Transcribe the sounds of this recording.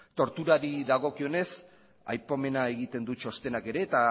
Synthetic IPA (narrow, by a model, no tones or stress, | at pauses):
t̪o̞ɾt̪uɾaɾiðaɣ̞o̞kio̞ne̞s | a̰jpome̞nae̞ɣit̪e̞nd̪ut͡ʃo̞st̪e̞nake̞ɾe̞ːt̪a